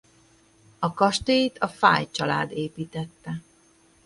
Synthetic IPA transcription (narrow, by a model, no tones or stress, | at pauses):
ɒkɒʃt̪eːt̪ʰɒfa̰ːjt͡ʃɒla̰ːd̪eːpiːt̪ɛt̪ːɛ